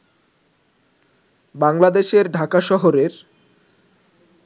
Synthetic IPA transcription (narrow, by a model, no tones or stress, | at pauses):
baŋlad̪eʃeɾɖʱakaʃɔɦoɾeɾ